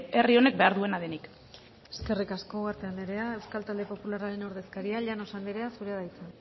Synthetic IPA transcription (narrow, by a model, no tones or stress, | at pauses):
erio̞ne̞k̚be̞aɾðue̞naðenik | e̥ske̞rikasko̞aɾt̪e̞and̪eɾe̞ae̞wskalt̪ald̪e̞po̞pulaɾaɾe̞no̞ɾðe̞skaɾiaʎano̞sand̪eɾe̞asuɾeaðajt͡san